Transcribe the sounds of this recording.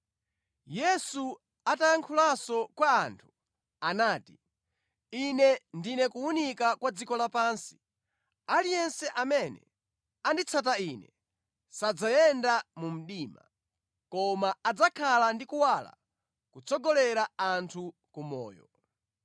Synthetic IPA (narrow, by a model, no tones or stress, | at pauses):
jɛsu | atajaŋkʰulasɔkwaːntʰu̥ | anaːti | inɛndinɛkuunikakwad͡zikɔlapaːnsi̥ | alijɛnsɛʔamɛnɛ̰ | andit͡sʰat̬ainɛ | sad͡zajɛndamum̩ɗiːma̰ | kɔmaːd͡zakʰalandikuwala̰ | kut͡sʰɔɡɔlɛɾaantʰu | kumɔ̰ːjɔ̰